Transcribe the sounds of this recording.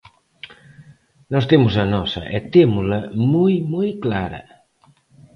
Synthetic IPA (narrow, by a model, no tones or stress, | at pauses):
nɔst̪emʊsɐnɔsɐ̰ʔɛt̪emʊzlɐmujmujklaɾɐ̰